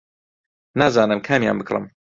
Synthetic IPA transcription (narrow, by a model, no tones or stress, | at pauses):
naːzaːnɨmkʰaːmja̰ːnbɨkrˤɨ̰m